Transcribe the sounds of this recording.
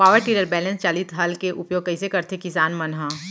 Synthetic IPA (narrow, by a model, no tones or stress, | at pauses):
paːʋəɾʈiːɾəɾbɛːlə̃nst͡ʃaːlit̪ɦɐlkeʔʊpjoːɡ̚kɐɪsekɐɾt̪ʰekɪsaːnmɐnɦã